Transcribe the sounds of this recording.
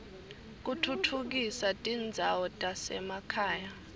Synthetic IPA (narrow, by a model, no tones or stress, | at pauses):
k̬utʰutʰuk̬isatʼind͡zʱawɔtʼasɛ̰makʰaːja